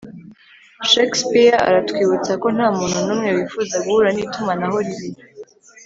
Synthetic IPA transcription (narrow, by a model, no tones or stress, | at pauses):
ʃekspiɾaa̰ɾatwiːβut͡sako̞n̥haːmuːn̥hunuːmŋewifuːzaɡuhuːɾaniːtumanaɦo̞ɾiβinu